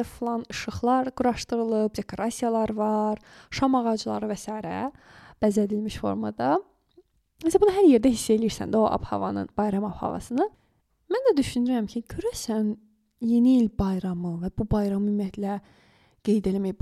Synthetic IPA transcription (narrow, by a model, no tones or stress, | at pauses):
flˠɑnɯʃɯχlˠɑɾɡ̥uɾɑʃt̪ɯɾɯlˠɯp̚d̪e̞kʰo̞ɾɑsijɑlˠɑɾvɑɾ | ʃɑmɑʁɑd͡ʒlˠɑ̰ɾɯvɛsɑːjɾæ̰ | b̥æzlæd̪ilmiʃfo̞̰ɾmɑ̰d̪ɑ | mæsææbunɯɦæɾje̞ɾd̪æɦisːæelijiɾsæ̰nd̪æoʔɑ̰bhɑ̰vɑ̰nɯ̰nb̥ɑjɾɑmɑb̥hɑ̰vɑ̰sɯnɯ | mænd̪æd̪yʃynyɾæmcʰicʰøɾæsæn | je̞niːlʲbɑjɾɑmɯvæbubɑjɾɑmɯymːijæt̪ʰlæ | ɡ̥e̞jd̪e̞læmæj